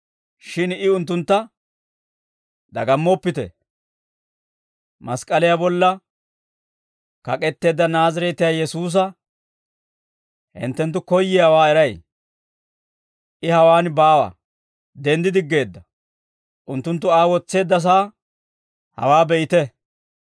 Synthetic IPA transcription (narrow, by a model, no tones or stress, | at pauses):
ʃɪnɪʊnt̪ːʊnt̪ːɐ | d̪ɐɡɐmːɔpːɪt̪ɛ̰ | mɐ̰skʼɐlɪjabɔlːɐ | kɐkʼɛt̪ːe̞ːd̪ːɐnaːzɐɾɛt̪ɪjaːjɛsuːs̬ɐ | hɪ̰nt̪ːɛnt̪̬ːʊkɔjːɪɐwaːɛɾɐj | ʔɪhɐwaːnbaːwɐ̰ | d̪ɛnd̪ɪd̪ɪɡːe̞ːd̪ːɐ | ʔʊnt̪ːʊnt̪ːʊaːwɔt͡sːe̞ːd̪ːɐs̬aː | hɐ̰waːbɛʔɪt̪ɛ